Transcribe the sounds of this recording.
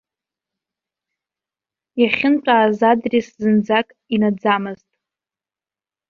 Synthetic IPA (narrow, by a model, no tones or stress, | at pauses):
jaχʲɪnt͡ʃʷʼaːzadriszɨnd͡zakʼinad͡zamɨztʼ